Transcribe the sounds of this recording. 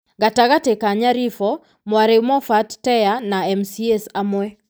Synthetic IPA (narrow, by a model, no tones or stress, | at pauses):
ɡataɡatekaɲaɾifɔ | mwaɾemɔfattɛjanaɛmsiesamwɛ